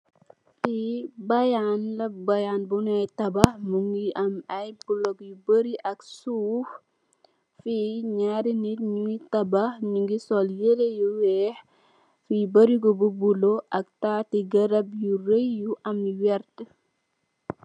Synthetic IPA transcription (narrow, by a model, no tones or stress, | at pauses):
fibɐjanlɐbɐjanbunɐjtɐbɐhmuŋɡiʔɐmɐjbulokjubəɾiʔɐksuːf | fiɲaɾinitɲuitɐbahɲuŋɡisɔljelejuwɛːh | fibɐɾiɡɔbubuloʔɐk̚taːtiɡɐɾɐbjuɾejjuʔɐmwɛrtə